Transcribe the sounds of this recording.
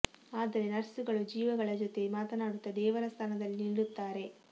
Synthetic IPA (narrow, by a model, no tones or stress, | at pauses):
aːd̪ɐɾe̞nɐɾsuɡɐɭud͡ʒiːʋɐɡɐɭɐd͡ʒot̪e̞maːt̪ɐnaːɽut̪ːɐd̪ɛːʋɐɾɐst̪ʰɐnɐd̪ɐlːiniɭːut̪ːaːɾe̞